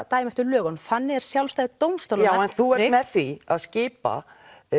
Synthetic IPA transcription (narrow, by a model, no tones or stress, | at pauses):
t̪aːjmɛht̪ʏlœːɣɔnθanːɪɣɛɾ̥sjawlst̪ajðɪt̪owmst̪awlaɛnθuɛɾmɛðθia̰ðscɪːpa̰